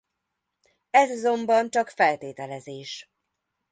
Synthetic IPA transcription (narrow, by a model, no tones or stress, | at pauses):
ɛzɒzo̞mbɒnt͡ʃɒkfɛlt̪eːt̪ɛlɛzeːʃ